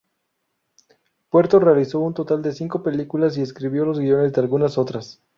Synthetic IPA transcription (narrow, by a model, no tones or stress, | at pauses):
pwe̞ɾt̪o̞re̞aliso̞unt̪o̞t̪ald̪e̞siŋko̞pe̞likulas̬ie̞skɾiβjo̞lo̞zɣio̞ne̞zd̪e̞alɣunaso̞t̪ɾas